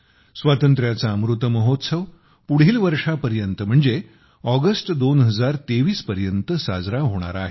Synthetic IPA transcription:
sʋat̪ənt̪ɾjat͡saəmɾut̪əməɦot̪səʋ | puɽ̤ɦiːlʋəɾʂapəɾjənt̪əm̤əɳd͡ze | ɔɡəsʈd̪onɦəd͡zaɾt̪eʋiːspəɾjənt̪əsa̰d͡zɾaɦoɽ̃a̰ɾa̰ɦe

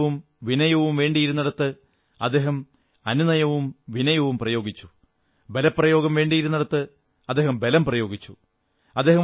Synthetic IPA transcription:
ʋum | ʋinɐjɐʋumʋe̞ːɳɖijiɾunːɐɽɐt̪ːɨ | ɐ̰d̪ːe̞ːɦɐm | ɐninɐjɐʋumʋinɐjɐʋumprɐjo̞ːɡit͡ɕːu̥ | be̞lɐpːrɐjo̞ːɡɐmʋe̞ːɳɖijiɾunːɐɽɐt̪ːɨ | ɐd̪ːe̞ːɦɐmbe̞lɐmprɐjo̞ːɡit͡ɕːu̥ | ɐd̪ːeːhɐ

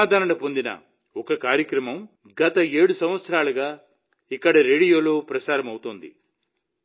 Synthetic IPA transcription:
d̪ʱaːɾɐnɐpo̞nd̪inɐ̰ | ɔkɐkaːɾjɐkɾɐmɐm | ɡɐt̪ɐe̞ːɽusɐ̃mʋɐt̪sɐɾaːlɐɡaː | ikːɐɽɐɾe̞ːɽijo̞ːlo̞ːpɾɐt͡ʃaːɾɐmɐwut̪ond̪ḭ

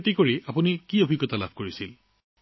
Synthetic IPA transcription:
tikoɹiapunikiobʱiɡːɔt̪ala̰bʱkoɹisil

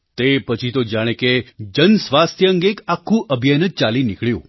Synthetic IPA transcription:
t̪epət͡ʃʰit̪od͡ʒaɽ̃eked͡ʒənsʋast̪ʰjəəŋɡekakʰːũʔəbʱijanət͡ʃalinɪkɭjṵ̃

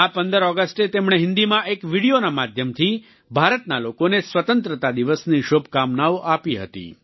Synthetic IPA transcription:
apənd̪əɾɔɡəsʈet̪emɽ̃eɦɪ̃nd̪imãʔekʋiɽijonamad̪ʱjəmt̪ʰi | bʱaɾət̪nalokonesʋət̪ənt̪ɾət̪ad̪iʋəsniʃobʱkamnaʋoʔapiɦə̰t̪ḭ

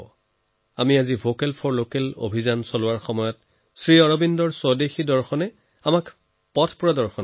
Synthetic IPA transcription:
amiazivokɛlpʰɔɹlokɛlo̰bʱizansolʊwaɹxɔmɔjɔt | sɹiɔɹobindɔɹsɔdexidɔɹxɔnɛ | amak | pɔtʰpuɹɔdɔɹxɔn

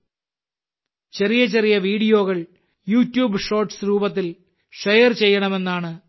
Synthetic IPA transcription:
t͡ɕerijɐt͡ɕerijɐʋiːɽijo̞ːɣɐɭ | juːtːjuːbɨʂo̞ːrʈsɾuːbɐt̪̬ːil | ʂejɐrt͡ɕe̞jːɐɳɐme̞nːaːɳɨ

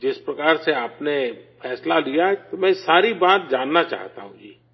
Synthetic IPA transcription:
d͡ʒɪspɾɐkaːɾseaːpnefʰɛːslalijaɦɛt̪omɛ̃saːɾibaːt̪̚d͡ʒaːnːat͡ʃa̰ːɦt̪a̰ɦũd͡ʒiː

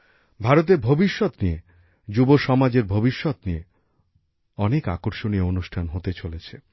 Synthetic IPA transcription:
bʱaɾot̪̬eɾbʱobiʃːot̪nije | d͡ʑuboʃɔmad͡ʑeɾbʱobiʃːot̪nie | ɔneka̰koɾʃonieonuʃʈʰanɦot̪et͡ɕolet͡ɕʰe

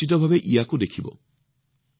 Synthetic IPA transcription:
it̪̬obʱabeʔiakod̪ekʰibo̰

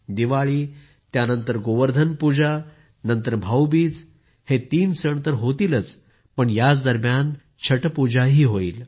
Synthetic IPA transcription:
d̪iʋaɭiː | t̪janənt̪əɾɡoʋəɾd̪ʱənpud͡ʑa | nənt̪əɾbʱawbiːt͡s | het̪iːnsəɳ̃t̪əɾɦot̪iːlət͡s | pəɳjat͡sd̪əɾmjan | t͡ɕʰəʈpud͡ʑaɦiːɦoiːl

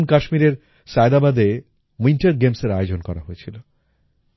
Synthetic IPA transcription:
nkaʃmiɾeɾ | sajd̪abad̪e | minʈeɾɡemseɾajod͡ʑonkɔɾa̰ɦoet͡ɕʰilo

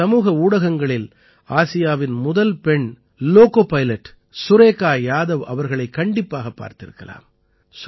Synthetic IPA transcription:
ɐmuːɣɐuːɽɐɣɐŋɡɐɭɪl | aːsɪjaːʋɪnmʊðɐlpɛɳ | loːkoːpɐjlɐʈː | sʊɾeːkːaːjaːðɐʋɐ̰ʋɐɾɣɐɭɐɪkːɐɳɖɪpːaːɣɐpːa̰ːɾt̪ɪɾɯ̰kːɐ̰la̰ːm | s

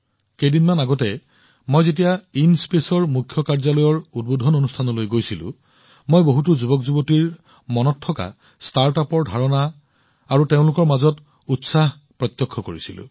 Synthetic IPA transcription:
kejdinmanaɡɔtɛ | mojzet̬ijainspesɔɹmukʰjɔkaɹzalɔjɔɹud̚bodʱɔnonustʰanɔlojɡojsilʊ̰̃ | mojboɦutuzubɔkzubɔtiɹ | mɔnɔtʰːɔka̰ | staɹtapɔɹdʱaɹɔnaː | ɹuteʊ̃lʊkɔɹmazɔt | utsah | pɹɔt̪jɔkʰːɔkoɹisilʊ̰̃

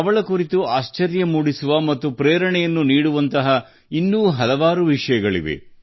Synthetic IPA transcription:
ɐʋɐɭɐkuɾit̪uaːʃt͡ʃɐɾjɐmuːɽisuʋɐmɐt̪ːupɾeːɾɐɳɛjɐnːuniːɽuʋɐnt̪ɐɦɐ | inːuːɦɐlɐʋaːɾuʋiʂɐjɐɡɐɭḭʋḛ

